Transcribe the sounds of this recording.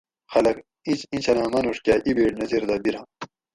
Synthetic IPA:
xɐlɐk | it͡ɕĩnt͡ɕɐnãːmɐnuʂkʲaːʔibeːʈnɐziɾd̪abiɾãː

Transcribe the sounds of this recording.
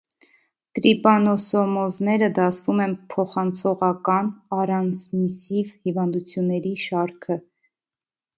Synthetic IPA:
t̪ɾipɑnɔsɔmɔznɛɾəd̪ɑt͡sʰvumɛnpʰɔχɑnt͡sʰɔʁɑkɑnɑrɑnt͡sʰmisivhivɑnd̪ut͡sʰjunːɛɾiʃɑɾkʰə

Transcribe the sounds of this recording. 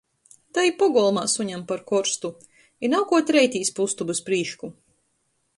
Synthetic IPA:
t̪ajipɔɡɔlˠmaːsuɲampaɾkɔɾst̪u | inawkuɔt̪ʲɾɛjt̪ʲiːspust̪ubɨspɾiːʃku

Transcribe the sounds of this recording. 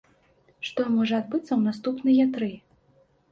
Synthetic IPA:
ʂt̪ɔmɔʐɐːd̪bɨt̪sːɐwnast̪upnɨjat̪ɾɨ

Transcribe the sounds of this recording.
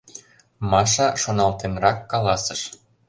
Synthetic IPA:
mɑʃɑʃonɑlt̪enrɑkːɑlɑsə̆ʃ

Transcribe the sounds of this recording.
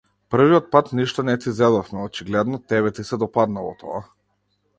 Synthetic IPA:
pr̩viɔt̪̚pat̪niʃt̪ɔnɛt̪izɛd̪ɔfmɛɔt͡ʃiɡlɛd̪nɔt̪ɛβɛt̪isɛd̪ɔpad̪nalˠɔ̰t̪ʰɔ̰a

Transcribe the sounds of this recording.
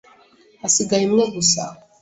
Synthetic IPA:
asiɡajimŋeɡusa̰

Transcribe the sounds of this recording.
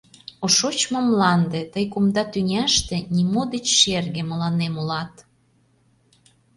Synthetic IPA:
oʃot͡ɕmomlɑnd̪et̪əjkumd̪ɑt̪ynʲæʃt̪ĕnʲimod̪et͡ɕʃerɣeməlɑnemolɑt̪

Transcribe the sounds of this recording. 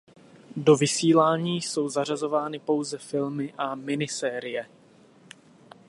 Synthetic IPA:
do̞vɪsiːlaːɲiːso̞wzar̝azo̞vaːnɪpo̞wzɛfɪlmɪʔamɪnɪsɛːɾɪjɛ

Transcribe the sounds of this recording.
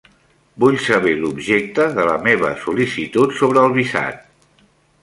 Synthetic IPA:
buʎsəβelubʒek̚t̪əðələ̰meβə̰sulisit̪ut̪soβ̞ɾəːlˠβisa̰t̪̚

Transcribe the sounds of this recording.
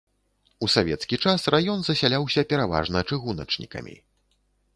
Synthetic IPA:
usavʲɛt̪skʲit͡ʂasrajɔnzɐsʲalʲawsʲɐpʲɛɾava̰ʐnɐt͡ʂɨɣunɐ̰t͡ʂnʲḭkɐ̰mʲḭ

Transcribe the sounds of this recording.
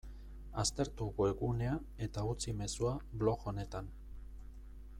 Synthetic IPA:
ast̪e̞ɾt̪uɣue̞ɣune̞a | e̞t̪aut͡sime̞suaβlo̞ɣo̞ne̞t̪an

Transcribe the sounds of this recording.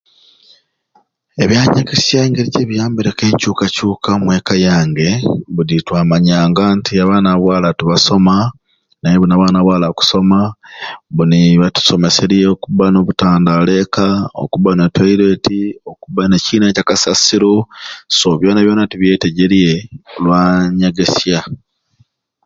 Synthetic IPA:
e̞βjaːɲekisjaŋɡeɾiceβijaːmbiɾeke̞ːɲcuːkacuːkamwe̞ːkajaːŋɡe̞βuɾitwaːmaɲaːŋɡantiaβaːnaβwaːlatuβaso̞ma | naeβunaβaːnaβwaːlaku̥so̞ma | βuniβatu̥so̞me̞se̞ɾieokuβano̞βutaːndale̞kao̰kuβanetaiɾe̞tiokuβaneciːnecakasasiɾosoβjo̞ːnaβjo̞ːnatuβje̞ːteɟe̞ɾie̞olwaːɲeɡe̞sja

